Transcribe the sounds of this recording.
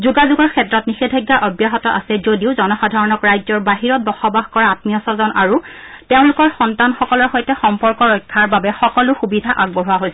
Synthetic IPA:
zuɡazuɡɔɹkʰɛtɹɔtnixedʱaɡːaʔɔbjaɦɔtɔʔa̰sɛzodiʊzɔnɔxadʱaɹɔnɔkɹajzɔɹbaɦiɹɔt̚bɔxɔbaxkɔɹaatmijɔsɔzɔnaɹutɛʊ̃lʊkɔɹxɔntanxɔkɔlɔɹxɔjtɛxɔmpɔɹkɔɹɔjkʰːaɹbabɛxɔkɔlʊxubidʱaʔaɡ̚bɔɦuwaɦojsɛ

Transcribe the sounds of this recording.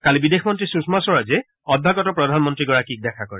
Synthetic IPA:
kalibidexʰmɔntɹisusmasɔɹazɛ | ɔd̚bʱaɡɔtɔpɹɔdʱanmɔntɹiɡɔɹakik̚dɛkʰakɔɹɛ

